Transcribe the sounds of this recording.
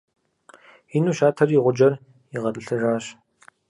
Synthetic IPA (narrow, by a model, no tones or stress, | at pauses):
inuːʃaːtʰɐriːʁʷʊd͡ʒɐr | iʁɐtʼɨɬɨraːɕ